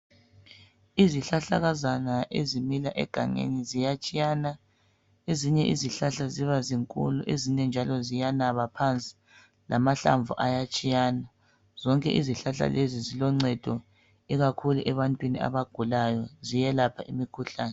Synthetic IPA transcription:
iziɬaɬaɣazanaʔezimilaʔɛ̰ɡ̥ʱa̰ŋḛnizijat͡ʃʼijana | eziɲɛʔiziɬaɬaziβaziŋkʼṵluʔeziɲɛnd͡ʒʱalɔzijanaβapʰant͡sʼi̥ | lʔa̰maɬa̰ɱvuʔajat͡ʃʼijaːna | z̥ɔŋkʼɛ̰ʔiziɬaɬa̰lezizilɔŋ͡ǀɛd̥ʱɔ | iɣakʰuluʔɛβantʼwinia̰βaɡ̥ʱulajɔzijɛlapʰaʔimikʰuɬaːnɛ

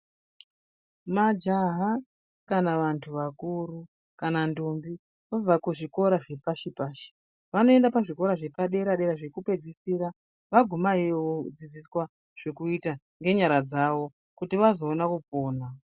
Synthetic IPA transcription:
mad͡ʒaɦa | kanaʋantʰuʋakuɾu | kanandombi | ʋab͡vakuʐiko̞ɾaʐe̞paʃipaːʃi̥ | ʋano̞e̞ndapaʐiko̞ɾaʐe̞paɗe̞ɾaɗe̞ɾaʐe̞kupe̞d͡zisiːɾa | ʋaɡʱumaioʋod͡zid͡ziswa | ʐ̥e̞kuita | ŋɡe̞ɲaɾad͡zaʋo̞ | kutiʋazo̞ːnakupoːna

